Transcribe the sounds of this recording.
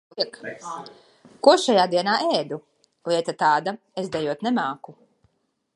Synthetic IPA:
k | kuɔʃajaːd̪iɛnaːʔɛːd̪u | lˠiɛt̪at̪aːd̪a | ezd̪ɛjuɔt̪nɛmaːku

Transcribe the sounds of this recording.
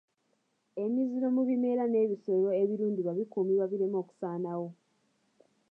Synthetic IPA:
e̞miziɾo̞muβime̞ɾane̞ːβisoloeβiɾuːndiβaβikumiβwaβiɾe̞mo̞ːku̥saːnawo̞

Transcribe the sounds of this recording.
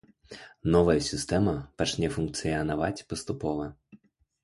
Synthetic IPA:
nɔvɐjɐsʲist̪ɛmɐpat͡ʃnʲɛfunkt̪sɨjɐnavat͡sʲpɐst̪upɔvɐ

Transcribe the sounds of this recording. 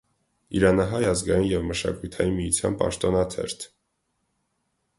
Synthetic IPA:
iɾɑnɑɦɑjɑzɡɑjinjɛvməʃɑ̰kujt̪ʰɑjinmijut͡sʰjɑ̰npɑ̰ʃt̪ɔnɑt̪ʰɛ̰ɾt̪ʰ

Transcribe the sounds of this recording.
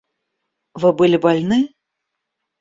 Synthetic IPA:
vɨbɨlʲibalʲnɨ

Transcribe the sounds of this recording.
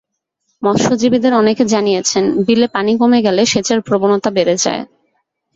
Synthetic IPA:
mɔʃod͡ʑibid̪eɾɔneked͡ʑanijet͡ɕʰenbilepanikomeɡɛleʃet͡ɕeɾpɾobonot̪abeɾed͡ʑa̰e

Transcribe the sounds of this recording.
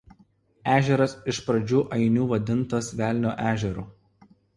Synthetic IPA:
æːʒʲɛɾɐsɪʃpɾɐd͡ʒʲuːʔɐɪnʲuːʋɐd̪ʲɪnt̪ɐsʋʲæˑlʲnʲoːʔæːʒʲɛɾṵː

